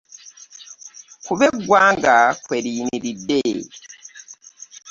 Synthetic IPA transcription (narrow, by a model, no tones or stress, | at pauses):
kuβeɡwaːŋɡakweɾiːniɾide